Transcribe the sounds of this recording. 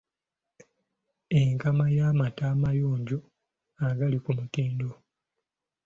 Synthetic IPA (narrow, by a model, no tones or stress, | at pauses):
eŋkamajamataːmajoːɲɟo | aɡalikumutiːndo